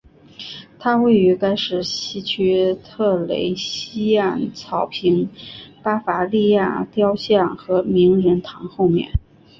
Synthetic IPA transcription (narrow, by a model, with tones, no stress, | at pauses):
t̪ʰa˥we˥˩ɪy˧˥ka˥ɪʂɻ̩˥˩ɕi˥t͡ɕʰy˥t̪ʰɤ˥˩lḛ˧˥ɪɕi˥a˥˩nt͡sʰɑ˧˥ʊpʰi˧˥ŋpa˥fa˧˥li˥˧ja̰˥˩t̪jɑ˥ʊɕjɑ˥˩nxɤ˧˥mi˧˥ŋɻə˧˥nt̪ʰɑ˧˥ŋxo˥˧ʊmjɛ̰˥˩n